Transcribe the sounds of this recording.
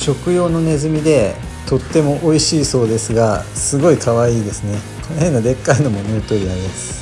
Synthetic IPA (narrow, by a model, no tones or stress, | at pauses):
ɕo̞kɯ̟jo̞ːno̞ne̞zɨmʲid̪e̞ | t̪o̞t̪ːe̞mo̞ʔoiɕiːso̞ːd̪e̞sɨɡasɨɡo̞ikʰaβaiːd̪e̞sɨne̞ | ko̞noɦẽ̞nːad̪e̞kːaino̞mo̞noːt̪o̞ɾʲiaɾʲimasɨ̥